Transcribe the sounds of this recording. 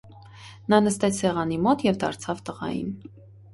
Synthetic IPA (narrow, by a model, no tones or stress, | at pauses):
nɑnəst̪ɛt͡sʰsɛʁɑnimɔt̪jɛvd̪ɑ̰ɾt͡sʰɑvt̪əʁɑ̰jḭn